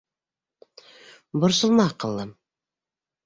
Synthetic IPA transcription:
bŏɾsɤ̆lˠmɑqɤ̆lˠːɤm

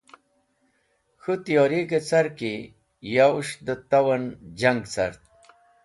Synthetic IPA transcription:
xut̪ijoːɾiket͡saɾki | jauʂd̪ət̪awand͡ʑaŋɡt͡sa̰ɾt̪̚

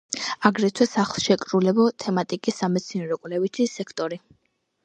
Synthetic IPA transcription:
aɡɾɛt̪ʰwɛsaχlˠʃɛkʼɾulɛbɔt̪ʰɛmat̪ʼikʼisːamɛt̪sʰinɛɾɔkʼwlɛvit̪ʰisɛkʰt̪ʼɔɾi

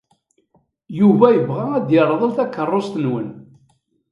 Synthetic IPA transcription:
juvæjəvʁææd̪jəɾˤðˤəlθækːərˤːost̪ənwən

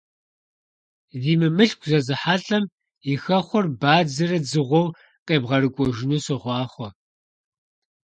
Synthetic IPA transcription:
ziːmɨmɨɬɡʷʰzɐzɨħaːɬʼɐm | ixɐχʷɔrbaːd͡zɐrɐd͡zɨʁʷɔw | qʼeːbʁɐɾɨkʷʼɔʒɪnuːsɨʁʷɑːχʷɔ

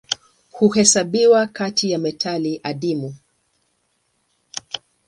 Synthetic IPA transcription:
huhɛsaɓiwakatijamɛtʰaliʔaɗimu

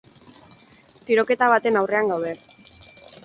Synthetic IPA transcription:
t̪iɾo̞ke̞t̪aβ̞at̪e̞nawre̞aŋɡawðe̞

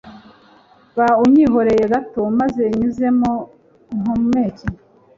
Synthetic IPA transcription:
βauɲiɦo̞ɾe̞jeɡatomaze̞ɲuze̞mo | ŋomumeːci

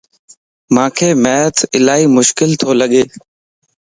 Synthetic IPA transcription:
mãːkʰeːmɛːət̪ɪlaːiːmʊʃkɪlt̪ʰoːləɠeː

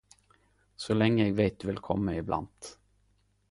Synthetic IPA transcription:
sɔlɛŋːəɛːɡveːt̪̚d̪ɵvɪlkʰɔ̰mːaɪbla̰nt̪

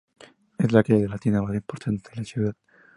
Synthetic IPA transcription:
ezlakeðelat̪inaβaðaimpoɾt̪ʰant̪eɾet͡ʃeβat̪

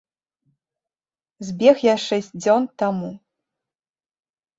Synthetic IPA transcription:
zʲbʲɛxjaʂɛsʲt͡s̚ʲd͡zʲɔnt̪amu

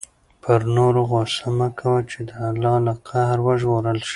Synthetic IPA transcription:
pʰəɾnoɾoɣosamakʰawət͡ʃed̪əalːɑlaqʰahɾwəʒɣoɾəlʃi̥

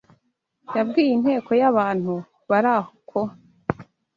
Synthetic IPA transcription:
jabɡiːjin̥he̞ːko̞jaβaːn̥hu | βaɾahkʰo

